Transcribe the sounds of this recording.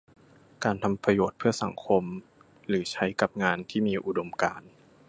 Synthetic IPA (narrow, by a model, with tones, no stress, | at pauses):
kaː˧nt̪ʰa˧mpɾa˧joː˨˩t̪̚pʰɯ˥˩ɐsa˩˦ŋkʰo˧m | ɾɯː˩˦t͡ɕʰa˦˥jka˨˩p̚ŋaː˧nt̪ʰiː˥˩miː˧ʔu˨˩do˧mkaː˧n